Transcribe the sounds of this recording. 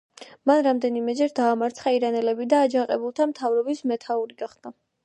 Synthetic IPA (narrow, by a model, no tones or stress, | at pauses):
manɾamd̪ɛnimɛd͡ʒɛɾd̪aːmaɾt̪sʰχaiɾanɛlɛbid̪aːd͡ʒaŋqʼɛbulˠt̪ʰamt̪ʰavɾɔbismɛt̪ʰauɾiɡaχd̪̥a